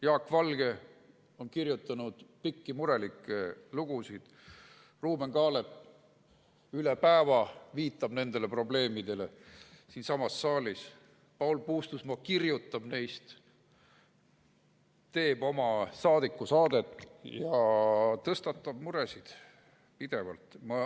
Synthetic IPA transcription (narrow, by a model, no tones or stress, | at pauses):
jɑːkvɑlɡ̥e̞ | o̞nkirjut̪ˑːɑnud̪̥pikːimuɾe̞likːˑeluɡ̥usid̪̥ | ruːme̞ŋkɑːlep | ylepæːvɑviːt̪ːˑɑb̥ne̞nd̪̥e̞le̞pro̞ble̞ːmid̪̥e̞le̞̰siːnsɑmɑsːɑːlis | pɑulpuːst̪usmɑkirjut̪ːˑɑb̥ne̞jst̪ | t̪e̞ːb̥o̞mɑsɑːd̪̥ikːˑusɑːd̪̥e̞t̪ːˑjɑt̪ɤst̪ɑt̪ːˑɑb̥̚muɾe̞sid̪̥ | pid̪̥e̞vɑ̰lt̪mɑ